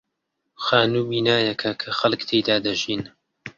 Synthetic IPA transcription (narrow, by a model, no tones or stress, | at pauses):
xaːnuːbiːnaːjɐkʰɐkʰɐxɐlkt̪ʰejd̪aːd̪ɐʒiːn